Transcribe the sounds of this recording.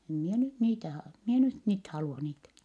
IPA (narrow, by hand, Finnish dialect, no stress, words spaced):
em mie nyt niːtæ hɑ mi e nyt niːt hɑluɑ niːtæ